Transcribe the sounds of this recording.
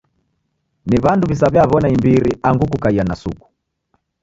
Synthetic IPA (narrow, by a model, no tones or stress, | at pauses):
niβanduβis̬aβjaβɔnaimbiɾiʔaŋɡuk̬ukaianasṵku̥